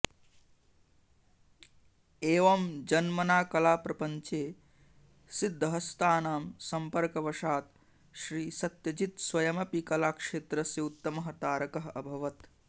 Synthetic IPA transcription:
eːʋɐmd͡ʒɐnmɐnaːkɐlaːpɾɐpɐɲt͡ʃeː | sid̪ʱːɐɦɐst̪ʰaːnaːmsɐmpɐɾkɐʋɐʃaːt̪ | ʃɾiːsɐt̪jɐd͡ʒit̪swɐjɐmɐpikɐlaːkʂeːt̪ɾɐsjɐut̪ːɐmɐɦɐt̪aːɾɐkɐɦɐbʱɐʋɐt̪

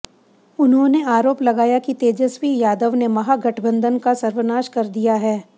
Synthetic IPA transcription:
ʊnɦõneaːɾoːplɐɡaːjakit̪eːd͡ʒəswijaːd̪əʋnemɐɦaɡɐʈʰbə̃nd̪ʱənkasɐɾʋənaːʃkɐɾd̪ijaɦɛː

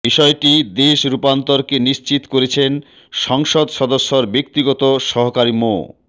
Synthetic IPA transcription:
biʃɔeʈid̪eʃɾupant̪oɾkeniʃt͡ɕit̪koɾet͡ɕʰen | ʃɔŋʃod̪ʃɔd̪oʃːoɾbek̚t̪iɡɔt̪oʃɔɦokaɾimo̰

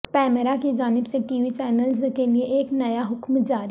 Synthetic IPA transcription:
pɛːməɾakid͡ʒaːnɪbseʈiːʋit͡ʃɛːnəlzkelieʔeːknɐjaɦʊkmd͡ʒaːɾ

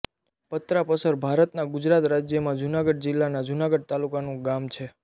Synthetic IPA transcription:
pət̪ɾapəsəɾbʱaɾət̪naɡʊd͡ʒɾat̪ɾad͡ʒjəmãd͡ʒunaɡəɖ̚d͡ʒɪlːanad͡ʒunaɡəɖ̚t̪alukanũɡamt͡ʃʰe

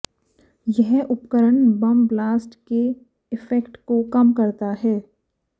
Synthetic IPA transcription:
jɛɦʊpkəɾəɳbɐmblaːsʈke | ɪfɛkʈkokɐmkɐɾt̪aɦɛː

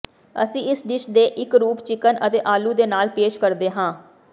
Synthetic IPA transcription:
ə̰sĩːɪsɖɪʃd̪eːʔɪkɾuːpt͡ʃɪkənʔət̪eːʔaːluːd̪eːnaːlpeːʃkəɾd̪eːɦãː

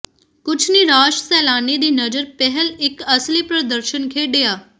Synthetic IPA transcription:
kʊt͡ʃʰniɾaːʃsɛːlaːnid̪iːnɐd͡ʒəɾpɛɦɛlɪkɐslipɾɐd̪əɾʃənkʰeːɖeːaː

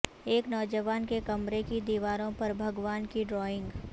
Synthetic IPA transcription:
eːknɔːd͡ʒəʋaːnkekɐmɾekid̪iːʋaːɾõpɐɾbʱɐɡʋaːnkiɖɾɔːɪ̃ŋɡ

